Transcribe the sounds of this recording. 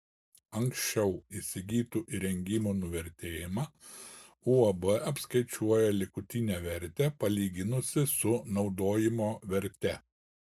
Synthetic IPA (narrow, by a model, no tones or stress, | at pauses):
ɐŋksʲt͡ʃʲɛʊisʲɪɡʲiːt̪uːʔiɾʲɛŋʲɡʲɪmunʊʋʲɛɾʲt̪ʲeːjɪmɑ | uːɐbɛʔɐpʲskɐɪt͡ʃʲuɔjɛlʲɪkʊt̪ʲɪnʲeːʋʲɛɾʲt̪ʲɛpɐlʲiːɡʲɪnʊsʲɪsʊnɒʊd̪oːjɪmoːʋʲɛɾʲt̪ʲɛ